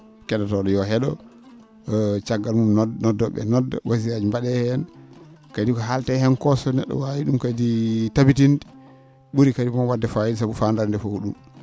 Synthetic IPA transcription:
kɛɗɔtɔɗɔjɔɦɛɗɔ̰ | t͡ʃaɡːalmumnɔdɔɓɛ̰nɔdːɔ̰wʔaziɾad͡ʒimbaɗɛhɛn | kadikɔɦaltɛhɛnkɔsɔnɛ̰ɗːɔ̰wawiɗumkaditabitindi | ɓuɾikadimɔwadːɛfajids̬aɓufandaɾndɛfouɗum

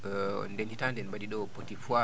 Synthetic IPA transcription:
ndenditandɛnɓadiɗɔpotifua

